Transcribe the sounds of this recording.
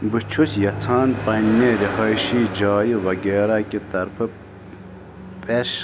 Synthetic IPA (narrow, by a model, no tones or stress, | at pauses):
bɨt͡ʃʰusjɐt͡s̪ʰaːnpɐnʲmeɾihɐjʃiːd͡ʒɑːjiʋɐɡeːɾakit̪ɐɾpʰɨ | pʼeʃ